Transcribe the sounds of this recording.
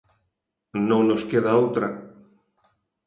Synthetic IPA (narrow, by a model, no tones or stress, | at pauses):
nõŋnoskeðaowt̪ɾɐ